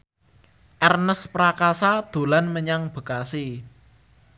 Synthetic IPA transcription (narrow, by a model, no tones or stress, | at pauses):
ʔɛrnəspɾakasad̪̥o̤lanməɲaŋb̥ə̤kasi